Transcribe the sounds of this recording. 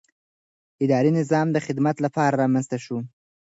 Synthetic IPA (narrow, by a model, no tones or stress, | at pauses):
ɪd̪ɑɾinɪzɑmd̪əxɪd̪mat̪lapɑɾaɾɑmanzt̪aʃu